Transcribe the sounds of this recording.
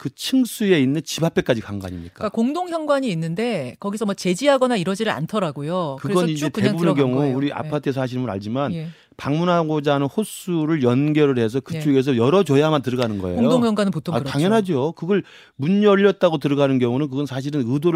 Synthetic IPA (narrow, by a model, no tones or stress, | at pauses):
kɯt͡ɕʰɯŋs͈ue̞inːɯnt͡ɕibap͈ʰe̞k͈ad͡ʑikaŋɡa̰ɲimɲik͈aakoŋdoŋçjʌŋɡwaɲiːnːɯnde̞kʌɡisʰʌmwʌt͡ɕe̞d͡ʑiɦaɡʌnaiɾʌd͡ʑiɾɯɾa̰ntʰʌɾaɡojokɯɾeɡʌnind͡ʑete̞bubunɯkjʌŋuuɾiʔa̰pʰatʰɯes̬ʰʌaɕ̬ʰiɾmuna̰ʎd͡ʑiman | paŋmunɦaɡod͡ʑanɯnhos͈uɾɯɭjʌnɡjʌɾɯɭɦe̞s̬ʰʌkɯt͡ɕ͈oɡe̞s̬ʰʌjʌɾʌt͡ɕʌjamantɯɾɯɡanɯnɡʌḛoŋjodoŋjʌŋɡwanɯnputʰoataŋjʌnɦad͡ʑiokɯɡʌɭ | muɲːʌʎːʌt̚t͈aɡot̬ɯɾɯɡanɯnkjʌŋunɯnk̬ɯɡʌnsʰaɕ̬ʰiɾɯnɯdoɾ